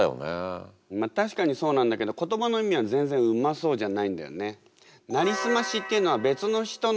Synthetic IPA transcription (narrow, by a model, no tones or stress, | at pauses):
jo̰nḛ | mat̪aɕi̥kaɲ̟iso̞ːnãnd̪ake̞d̪o̞ko̞t̪o̞bano̞imʲiβ̞azẽ̞nd͡zẽ̞ɰ̃ɯ̟maso̞ːʑanaĩnd̪a̰jo̞̰ne̞ | naɾʲisɨmaɕit̪ːeɯ̟no̞βabe̞t͡sɨno̞çi̥t̪o̞n